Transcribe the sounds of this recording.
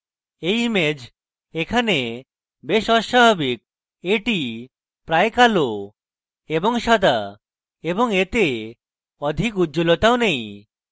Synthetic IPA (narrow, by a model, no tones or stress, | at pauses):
ejmed͡ʒ | ekʰane | beʃɔʃababik̚ | eʈi | pɾaekalo | ebɔŋʃɔd̪a | ebɔŋet̪e | ɔd̪ʱikut̪ːd͡ʒolɔt̪awnej